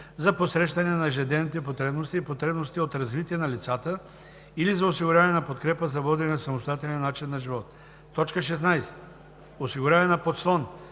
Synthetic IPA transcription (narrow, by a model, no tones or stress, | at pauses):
zɐposɾɛʃt̪ɐnɛnɐʒɛd̪ɛnit̪̬ɛpot̪ɾɛbnost̪iːpot̪ɾɛbnost̪iot̪ɾɐzvit̪iɛnɐlit̪sat̪ə | ilizɐosiɡʊɾʲaɛnɐpot̪kɾɛpəzɐvɔd̪inɛsɐmost̪oat̪ɛlʲnːat͡ʃinːɐʒivɔt̪ː | ɔt͡ʃkəʃ̬ɛsnajsɛ̥ | osiɡʊɾʲavɛnɐpot̪slˠɔn